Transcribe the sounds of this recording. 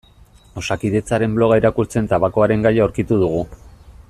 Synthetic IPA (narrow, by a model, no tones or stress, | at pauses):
o̞sakiðe̞t͡saɾe̞mblo̞ɣ̞aeɾakuɾt͡se̞nt̪aβako̞aɾe̞ŋɡajaowɾkit̪uð̞uɣ̞u